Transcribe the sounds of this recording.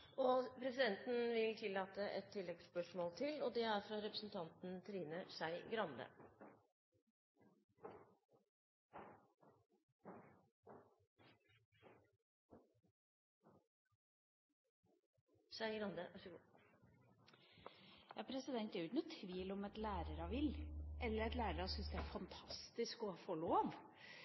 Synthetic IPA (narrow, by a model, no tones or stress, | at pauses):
ɔpʰɾɛsɪd̪ɛnt̪n̩ʋɪlt̪ʰɪlːɑːt̪əʔɛt̪ʰːɪlːɛɡspœʂmoːlt̪ʰɪlɔd̪ɛæɾfɾɑɾɛpɾəsn̩t̪ʰɑnt̪n̩t̪ʰɾiːnəʂæɪɡɾɑnd̪ə̰ | sæɪɡɾɑnd̪ə | jɑːpʰɾɛsɪd̪ɛnt̪ɛɾʉknʊt̪ʰʋiːlɔmɛt̪læːɾəɾɑʋɪlʔɛlːəɾɛt̪læːɾəɾɑsʏnsd̪ɛæɾfɑnt̪ʰɑst̪ɪskɔfoːɭoːʋ